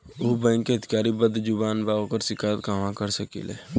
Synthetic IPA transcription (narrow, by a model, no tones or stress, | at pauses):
oːbɛ̃ːŋkːeət̪ɪ̥kaːɾibəd̪ʱd͡ʒʊbaːnbaːokəɾsɪkaːjət̪kaːmãkəɾsəkḭlɛ̰ː